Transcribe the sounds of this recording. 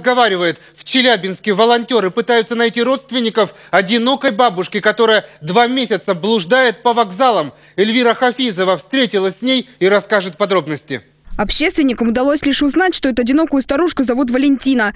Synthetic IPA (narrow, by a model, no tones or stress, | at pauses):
zɡɐvaɾʲɪvəjɪt̪ | ft͡ɕɪlʲæbʲɪnskʲɪvəlˠɐnʲtʲo̞ɾɨpɨt̪ajʊt̪sənɐjtʲiɾo̞t̪st̪vʲɪnʲːɪkəf | ɐdʲɪno̞kəjbabʊʂkʲɪkɐt̪o̞ɾəjəd̪vamʲesʲɪt̪səblˠʊʐd̪ajɪt̪̚pəvɐɡzalˠəm | ɪlʲvʲiɾəxɐfʲizəvəfst̪ɾʲetʲɪlˠəsʲsʲnʲejiɾɐskaʐɨt̪̚pɐd̪ɾo̞bnəsʲtʲɪ̰ | ɐpɕːest̪vʲɪnʲːɪkəmʊd̪ɐlˠo̞sʲlʲɪʂʊznatʲʂt̪o̞ɛt̪ʊɐdʲɪno̞kʊjʊst̪ɐɾuʂkʊzɐvut̪vəlʲɪnʲtʲinə